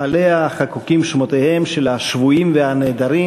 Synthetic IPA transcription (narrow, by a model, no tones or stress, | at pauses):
ale̞aχakukimʃmo̞t̪ehe̞mʃelhaʃvuimvehaneːd̪aɾi